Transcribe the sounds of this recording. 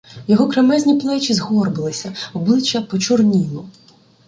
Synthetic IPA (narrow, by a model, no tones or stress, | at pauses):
jɔɦɔkɾemɛzʲnʲiplˠɛt͡ʃizɦɔrbɪlˠɪsʲɐɔblˠɪt͡ʃːɐpɔt͡ʃɔrnʲilˠʊ